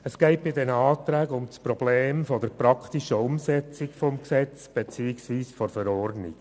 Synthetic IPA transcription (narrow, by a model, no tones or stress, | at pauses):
əsɡ̥ɛɪt̚b̥ɪdɛnəɑːt̪ɾæːɡəʊmspɾɔb̥leːmfɔd̪əɾpɾɑkʰt̪iʃəʊmsɛt͡sikfɔmksɛt͡sb̥et͡siːɪksʋiːsfɔɾfəɾɔrdnḭk